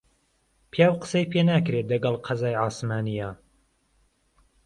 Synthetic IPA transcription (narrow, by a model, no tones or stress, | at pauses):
pʰijaːwqə̥sejpʰeːnaːkɾelɐɡɐlˠqʰɑzaːjʕaːsmaːnijaː